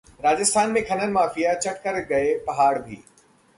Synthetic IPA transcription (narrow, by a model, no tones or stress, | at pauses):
ɾaːd͡ʑɪst̪ʰaːnmẽkʰɐnənɪ̆maːfijat͡ɕɐʈkəɾɡɐepɐɦaːɽbʱḭː